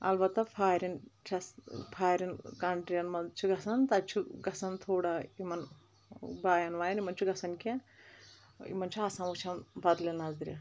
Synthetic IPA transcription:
ɐ̰lʋɐt̪ːɐpʰaːɾint͡ʃʰɐspʰaːjɾinkɐɳʈɾiɐnmɐd̪t͡ʃʰuɡɐsɐnt̪ɐt͡ʃʰuɡɐsɐnt̪ʰuːɽɐimɐn | baːjɐnʋaːjɐnimɐnt͡ʃʰuɡɐsɐnkʲa | ḭmɐnt͡ʃʰuaːsãnʋut͡ʃʰɐnbɐd̪linɐzd̪ɾʲɐ̰

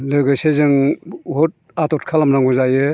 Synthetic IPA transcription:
lɯɡɯsezɯŋɦɔt̚ | atɔtkʰalamnaŋɡuzajɯ

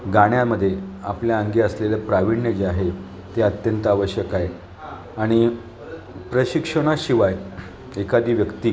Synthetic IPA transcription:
ɡaɽjaməd̪ʱːjea̰pljaəŋɡiəslelapɾaʋiɳjəd͡ʑeaɦe | t̪eət̪jənt̪əaʋəɕjəkaje | aɽ̃i | pɾəɕikʂəɽ̃aɕiʋaj | ekad̪iːʋjəkt̪iː

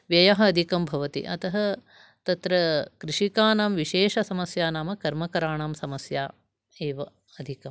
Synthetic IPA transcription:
ʋjɐjɐɦɐɐd̪ʱikɐmbʱɐʋɐt̪ḭʔɐ̰t̪ɐɦɐ | t̪ɐt̪ɾɐkɾɪʂikaːnaːmʋiʃeːʃɐsɐmɐsjaːnaːmɐkɐɾmɐkɐɾaːɳaːmsɐmɐsjaː | eːʋɐ | ɐd̪ʱikɐm

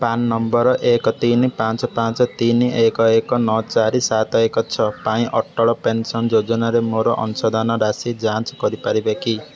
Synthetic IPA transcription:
panːɔmbɔɾɔʔekɔt̪inipant͡ʃɔpãnt͡ʃɔt̪iniʔekɔekɔnɔt͡ʃaɾisat̪ɔekɔt͡ʃʰɔpaĩʔɔʈːɔɭɔpensɔnd͡ʒod͡ʒɔnaɾemoɾɔʔɔ̰nusɔd̪anɔɾasid͡ʒant͡ʃɔkɔɾipaɾibeki

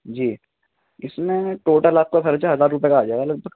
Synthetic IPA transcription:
d͡ʒiː | ɪsmẽʈoːʈəlaːp̚kakʰɐɾt͡ʃaɦɐzaːɾɾʊp̬jekaːd͡ʒaːeɡalɐɡ̚bʱəɡ

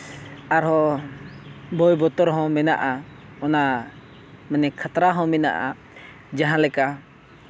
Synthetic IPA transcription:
aɾɦɔ̃ | bɔjbɔt̪ɔɾɦɔ̃mɛna̰ʔa | ɔna | mɛnɛkʰat̪ɾaɦɔ̃mɛna̰ʔa | d͡ʒaɦãlɛka

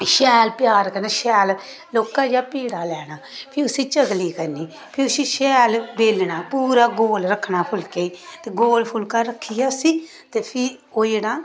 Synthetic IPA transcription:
ʃɛːlpɪjaːɾkəɾneːʃɛːl | loːkãːd͡ʒaːpiːɽaːlɛːɽ̃aːpʰɪʊsĩːt͡ʃəɡliːkəɾniː | pʰɪɾʊsĩːʃɛːlbeːlɳaːpuːɾaːɡoːlɾəkʰːnaːpʰʊlkeːit̪eːɡoːlpʰʊlkaːɾəkʰːijaːsiː | t̪eːpʰɪ | oːd͡ʒenãː

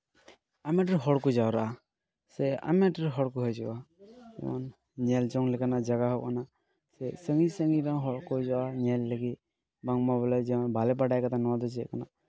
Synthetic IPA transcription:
amɛʈɾɦɔɽkɔd͡ʒawɾaʔa | sɛa̰mɛʈəɾɦɔɽkɔɦɔjd͡ʒɔbad͡ʒɛ̰ma̰n | ɲɛld͡ʒɔŋlɛkanad͡ʒaɡaɦɔʔkana | sɛsəŋɡisəŋɡiɾaŋɦɔɽkɔd͡ʒɔaɲɛlːəɡit̪ | baŋmabɔlad͡ʒɛmanbʱalɛp̬aɽajkat̪anɔad̪ɔd͡ʒɛkana

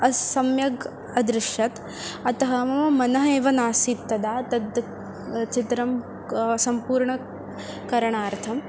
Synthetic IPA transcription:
ɐsɐmjɐɡ | ɐd̪ɾɪʂjɐt̪ | ɐt̪ɐɦɐmɐɐmɐnɐɦɐeːʋɐnaːsiːt̪ːɐd̪aːt̪ɐd̪ | t͡ʃit̪ɾɐm | sɐmpuːɾɳɐ | kɐɾɐɳaːɾt̪ʰɐm

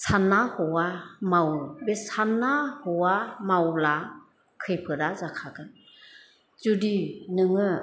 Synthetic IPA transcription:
sanːahɔwamawbesanːahɔwamawla | kʰɯjpʰɯɾazakʰaɡɯn | zudinɯŋɯ

